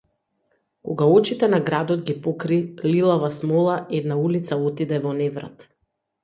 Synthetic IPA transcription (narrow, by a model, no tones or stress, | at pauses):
kɔɡaɔt͡ʃit̪ɛnaɡɾad̪ɔd̪ɡipɔkɾililˠavasmɔlˠaɛd̪naulit̪saɔt̪id̪ɛvɔnɛvɾa̰t̪